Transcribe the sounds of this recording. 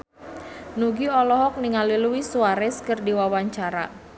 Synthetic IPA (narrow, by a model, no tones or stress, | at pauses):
nuɡiɔlɔɦɔk̚niŋaliluwisuaɾɛskərdiwawaɲt͡ʃaɾa̰